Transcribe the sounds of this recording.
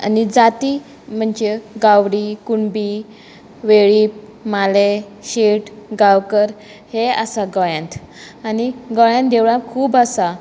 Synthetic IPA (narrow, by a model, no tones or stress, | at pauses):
a̰nid͡zat̪i | m̤əɳd͡ʑeɡaʋɽikuɳbi | ʋeɭiːp | male | ɕeʈɡawkəɾ | hea̰saɡɔjãnt̪ | aniɡɔjãnd̪eʋɭãkʰuːbəsa